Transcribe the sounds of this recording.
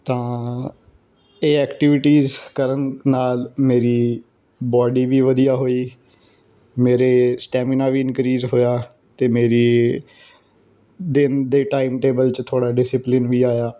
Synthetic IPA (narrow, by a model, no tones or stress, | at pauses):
t̪ãː | eːɛːkʈɪʋɪʈiːzkəɾənnaːlmeːɾiː | bɔːɖiːʋiːʋəd̪ijaːɦoːiː | meːɾeːsʈɛːmɪnaːʋiːɪnkɾiːzɦoːjaː | t̪eːmeːɾiː | d̪ɪnd̪eːʈaːɪmʈeːbəlt͡ʃt̪ʰoːɽaːɖɪsɪplɪnʋiːaːjaː